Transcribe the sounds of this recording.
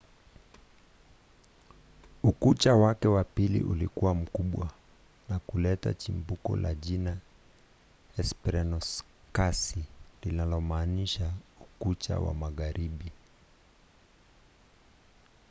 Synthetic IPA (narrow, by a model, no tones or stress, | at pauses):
ukut͡ʃawakɛwapilḭʔṵlikuwam̩kuɓwa | nakulɛta̰t͡ʃimbukɔ̰laʄina | ɛspɛɾɛnɔs | kasilinalɔmaːniʃaukut͡ʃa̰wa̰maɣaɾiɓi